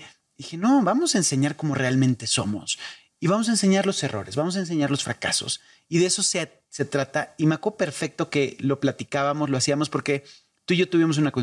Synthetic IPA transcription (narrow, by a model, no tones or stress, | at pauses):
ixe̞no̞βamo̞saense̞ɲaɾko̞mo̞re̞almẽ̞nt̪e̞so̞̰mo̞̰s | iβamo̞s̬aens̬e̞ɲaɾlo̞se̞ro̞̰ɾe̞zβamo̞s̬aens̬e̞ɲaɾlo̞sfɾaka̰so̞̰s | iðeeso̞s | se̞t̪ɾat̪aimeakope̞ɾfe̞k̚t̪o̞ke̞lo̞plat̪ikaβamosloasiamo̞spo̞ɾke̞ | t̪uiʝot̪uβimo̞s̬unako